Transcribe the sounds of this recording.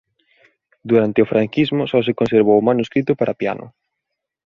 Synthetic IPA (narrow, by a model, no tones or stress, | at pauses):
d̪uɾant̪ɪʊfɾʔaŋkizmʊsɔs̬ɪkonseɾβowmanuskɾit̪ʊpaɾʔapja̰nʊ̰